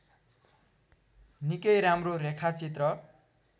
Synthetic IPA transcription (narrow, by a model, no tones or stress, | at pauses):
nikʌjɾamroɾekʰat͡sit̪rʌ